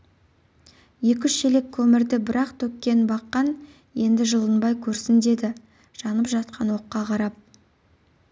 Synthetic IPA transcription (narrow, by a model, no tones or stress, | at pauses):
je̞kʲʏʃe̞le̞kʲʰːɵmɪɾd̪ɪbɪɾɑqt̪ʰɵkʲːe̞nbɑqːɑn | je̞nd̪ɪʒəlˠənbɑjkʲʰɵɾsɪnd̪e̞d̪ɪ | ʒ̥ɑnəpʒɑt̪̚qʰɑnwo̞qːɑqʰɑɾɑp̚